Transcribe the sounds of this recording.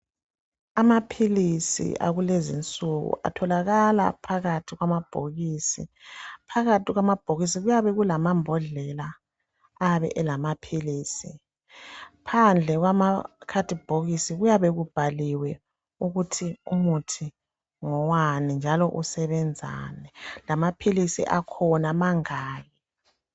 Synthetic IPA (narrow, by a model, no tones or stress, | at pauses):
amapʰilisḭʔa̰ɣulezint͡sʼuɣṵʔa̰tʰɔlaɣala̰pʰaɣatʰiɣwamab̥ʱo̰ɣisḭpʰaɣatʰiɣwamab̥ʱoɣisiɣujaβɛɣulamambʱɔɮɛlaː | βɛ̰ʔɛlamapʰiliːsi | pʰand͡ɮʱɛɣwamakʰad̥ʱib̥ʱoɣisiɣujaβɛɣub̥ʱaliwɛ | uɣutʰiumutʰi | ŋɔwanind͡ʒʱalɔʔusɛβɛnd͡zʱa̰ːnɛlamapʰilisḭʔakʰɔnamaŋaːjɛ